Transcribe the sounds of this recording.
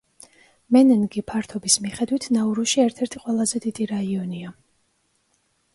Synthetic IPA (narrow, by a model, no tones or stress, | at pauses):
mɛnɛnɡipʰaɾt̪ʰɔbismiχɛd̪wit̪ʰnauɾuʃiɛɾt̪ʰɛɾt̪ʰiqʼwɛlˠazɛd̪id̪̥iɾaiɔnia